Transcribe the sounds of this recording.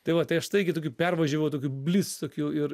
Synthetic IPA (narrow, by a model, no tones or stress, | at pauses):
t̪ɐɪʋɐt̪ɐɪɐʃt̪ɐɪɪɡʲɪt̪oːkʲupʲɛrʋɐʒʲɛʋɐʊt̪oːkʲubʲlʲist̪oːkʲuɪɾ